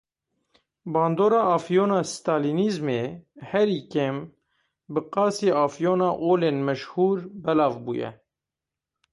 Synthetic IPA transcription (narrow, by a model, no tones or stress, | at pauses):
bɑːnd̪oːɾɑːɑːfjoːnɑːst̪ɑːliːniːzmeːhɛɾiːkem | bɨqɑːsiːɑːfjoːnɑːʔoːleːnmɛʃhuːɾbɛlɑːvbuːjɛ̰